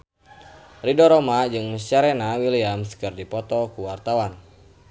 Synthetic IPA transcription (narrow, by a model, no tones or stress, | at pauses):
ridɔɾɔmad͡ʒɨŋməst͡ʃaɾɛnawiliamskɨrdipɔt̪ɔkuwart̪awan